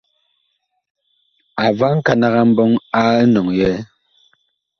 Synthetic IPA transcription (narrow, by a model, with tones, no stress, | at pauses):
a˨va˦ŋ̩˦ka˨na˨ɣa˦m̩˦bɔ˦ŋa˦nɔ˨ŋjɛ˨˦